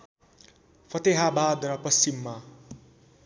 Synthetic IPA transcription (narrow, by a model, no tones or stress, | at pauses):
pʰʌt̪eɦabad̪ɾʌpʌst͡ɕimːa